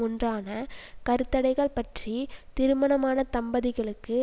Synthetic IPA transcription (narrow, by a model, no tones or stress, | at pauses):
ʊndraːnɐkɐɾɯt̪ːɐɽɐɪɣɐɭpɐʈrit̪ɪɾɯmɐɳɐmaːnɐt̪ɐmbɐðɪɣɐɭɯkːɯ